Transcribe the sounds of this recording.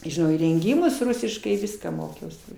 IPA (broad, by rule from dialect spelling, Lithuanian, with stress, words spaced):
ʒʲɪˈnɐʊ iːrʲɛŋʲˈɡʲiːmʊs ˈrʊsʲɪʃkɐɪ ˈʋʲɪskɑː ˈmoːkʲɛʊsʲɪ